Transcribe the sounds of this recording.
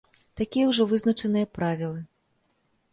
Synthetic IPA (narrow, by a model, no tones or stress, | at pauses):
t̪akʲijɐwʐɔvɨznɐt͡ʂɐnɨjɐpɾavʲilˠɨ